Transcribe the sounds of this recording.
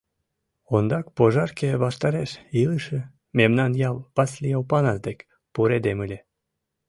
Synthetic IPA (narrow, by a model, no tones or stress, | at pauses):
ond̪ɑk̚poʒɑrkeβɑʃt̪ɑɾeʃiləʃe | memnɑnjɑlpɑslʲijɑupɑnɑzd̪ekʲ | puɾed̪emɨlʲe